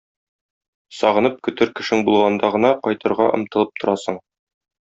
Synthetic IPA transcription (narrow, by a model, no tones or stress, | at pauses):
sɒʁɤ̆nɤp̚kɵ̆t̪ɘɾkɘ̆ʃɘŋbulˠʁɑnd̪ɑʁɤ̆nɑqɒjt̪ɤ̆ɾʁɑ̰ʔɤ̆mt̪ɤ̆lˠɤp̚t̪ŏɾɑsɤɴ